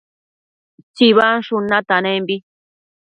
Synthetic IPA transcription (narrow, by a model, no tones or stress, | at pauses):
t͡ʃiβanʂunat̪anẽmbi